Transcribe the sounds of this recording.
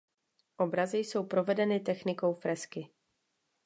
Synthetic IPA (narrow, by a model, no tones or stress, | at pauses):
ʔo̞bɾazɪjso̞wpɾo̞vɛdɛnɪt̪ɛxnɪko̞wfɾɛskɪ